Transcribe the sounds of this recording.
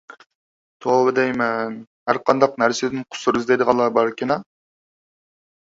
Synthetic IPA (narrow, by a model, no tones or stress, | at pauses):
t̪ʰobɨd̪ɛjmɛnhæɾqʰɑnd̪ɑqnæɾsɪd̪ɪnqʰʊ̥sʊɾɪzd̪ejd̪əʁɑnlˠːɑbɑɾkʲʰɪnɛ